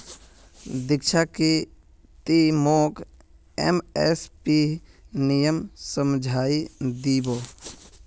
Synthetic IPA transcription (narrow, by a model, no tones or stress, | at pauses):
d̪ɪkt͡ʃʰaki | t̪imoːk | ḛmespinijəmsəmd͡ʒʱaːid̪iboː